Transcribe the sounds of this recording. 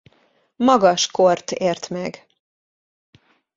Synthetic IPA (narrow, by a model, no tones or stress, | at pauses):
mɒɡɒʃkort̪eːrt̪mɛɡ